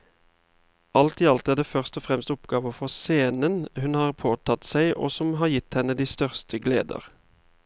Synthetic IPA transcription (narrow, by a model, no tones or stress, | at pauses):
ʔɑlt̪iːɑlt̪æːd̪eːfœʁst̪ɔfʁɛmst̪ʊpɡɑːʋəfɔʁseːnənhʉnhɑːʁpʰoːt̪ʰɑt̪sæɪʔo̰ːsɔmɦɑːʁjɪt̪hɛnəd̪iːst̪œʁst̪ʰəɡlḛːd̪ə̰ʁ